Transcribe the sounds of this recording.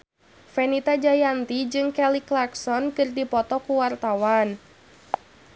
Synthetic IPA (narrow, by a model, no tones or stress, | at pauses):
fɛnit̪ad͡ʒajant̪id͡ʒɨŋkɛliklaksɔnkɨrdipɔt̪ɔkuwart̪awan